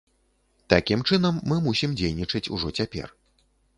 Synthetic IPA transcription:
t̪akʲimt͡ʂɨnɐmːɨmusʲimd͡zʲejnʲit͡ʂɐt͡sʲṵʐɔt͡sʲapʲɛ̰r

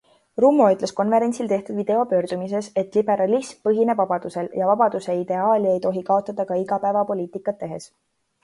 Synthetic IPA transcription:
ruːmːo̞yt̪le̞sko̞nve̞ɾe̞nʲsilt̪e̞ht̪ud̪̥vid̪̥e̞o̞pø̞ːrd̪̥umis̬e̞se̞t̪ːˑlib̥e̞ɾɑlismpɤɦine̞bvɑbɑd̪̥use̞ljɑvɑbɑd̪̥use̞id̪̥e̞ɑːlʲie̞jt̪o̞ɦikɑo̞t̪ˑːɑd̪̥ɑkɑiɡɑpæevɑpo̞lʲiːt̪ˑikːˑɑt̪ːe̞ɦe̞s

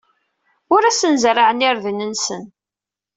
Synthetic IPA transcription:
ʊɾæsənzraʕənɪɾðənənsən

